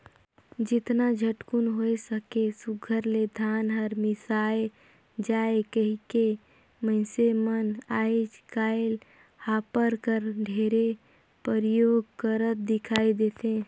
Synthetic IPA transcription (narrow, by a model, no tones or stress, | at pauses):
d͡ʒɪt̪nad͡ʒʱəʈkunɦoesəkesʊɡʱəɾled̪ʱaːnɦəɾmɪsaːe | d͡ʒaːekəɦike | məɪsemənaːid͡ʒkaːɪl | haːpəɾkəɾɖʱeɾe | pəɾjoːɡ̚kəɾət̪̚d̪ɪkʰaːid̪eːt̪ẽː